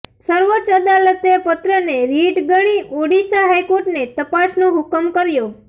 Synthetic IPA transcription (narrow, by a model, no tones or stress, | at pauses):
səɾʋot͡ʃəd̪alət̪epət̪ɾəneɾiʈɡəɽ̃iʔoɽisaɦajkoɾʈnet̪əpasnõɦʊkəmkəɾjo